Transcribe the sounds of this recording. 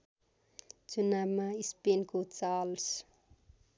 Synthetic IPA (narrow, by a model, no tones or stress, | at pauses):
t͡sunabmaispenkot͡sals